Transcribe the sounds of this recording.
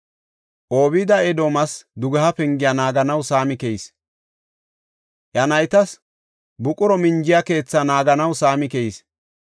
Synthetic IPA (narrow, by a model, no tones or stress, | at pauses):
ʔo̞ːβɪd̪ɐɛd̪oːmɐsd̪ʊɡɐhɐpɛŋɡɪjɐnaːɡɐnɐwsaːmɪkɛjis | ʔjɐnɐjt̪ɐs | bʊkʼʊɾɔmɪnd͡ʒɪjake̞ːt͡sːanaːɡɐnɐwsaːmɪkɛjis